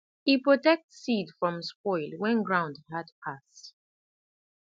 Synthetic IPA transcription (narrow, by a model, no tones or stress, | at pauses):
hipɹɔtɛk̚tsidfɹɔ̃msp̚ɔɪlˠwɛ̃nɡɹãʊ̃ndhadpʰast